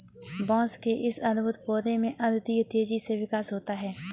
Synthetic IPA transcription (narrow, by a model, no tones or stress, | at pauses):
bɔ̃ːskeʔɪsɐnbʱʊt̪poːd̪emẽʔɐd̪t̪iːjt̪eːd͡ʒiseʋɪkaːsɦoːt̪aɦɛː